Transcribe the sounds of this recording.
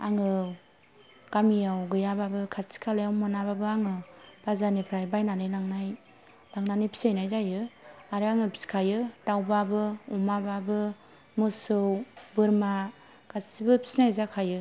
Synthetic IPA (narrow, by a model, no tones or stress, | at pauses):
aŋɯ | ɡ̥amijawɡɯjababɯkʰatsi̥kʰalajawmɯnababɯaŋɯb̥azanipʰɾajbajnanɯjnaŋnaj | laŋnanipʰi̥sejnajzajɯaɾɯaŋɯpʰi̥skʰajɯd̥awbabɯɔmababɯ | mɯsɯwbɯɾma | kasibɯpʰi̥snajzakʰajɯ